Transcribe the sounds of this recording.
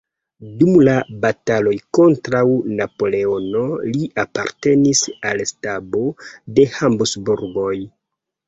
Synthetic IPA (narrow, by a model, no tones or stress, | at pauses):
dumlabatalo̞jko̞ntɾawnapo̞le̞o̞no̞liʔapa̰ɾte̞nisalstabo̞de̞hambusbuɾɡo̞j